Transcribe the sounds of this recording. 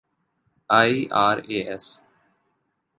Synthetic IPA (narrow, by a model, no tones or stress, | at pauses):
aːiːʔaːɾeːʔɛs